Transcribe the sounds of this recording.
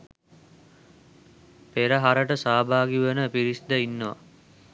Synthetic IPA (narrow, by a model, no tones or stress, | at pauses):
peɾəɦaɾəʈəsaːbʱaːɡiʋənəpiɾisd̪əinːəʋa̰